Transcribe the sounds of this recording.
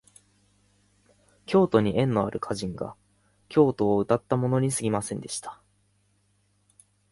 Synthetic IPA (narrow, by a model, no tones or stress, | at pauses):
kʲo̞ːt̪o̞ɲ̟iʔẽ̞nːo̞a̰ɾʔɯ̟kʰaʑĩŋɡa̰ | kʲo̞ːt̪o̞ːɯ̟t̪at̪ːamo̞no̞ɲ̟isɨɡʲimasẽ̞nd̪e̞ɕi̥t̪ḁ